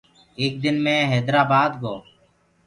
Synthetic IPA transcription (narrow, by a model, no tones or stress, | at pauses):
eːk̚d̪ɪnmẽːɦɛːd̪ɾaːbaːd̪ɡoː